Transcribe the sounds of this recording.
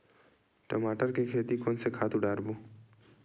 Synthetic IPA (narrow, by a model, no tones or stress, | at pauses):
ʈɐmaːʈəɾkekʰeːt̪ikoːnsekʰaːt̪ʊɖaːɾbũː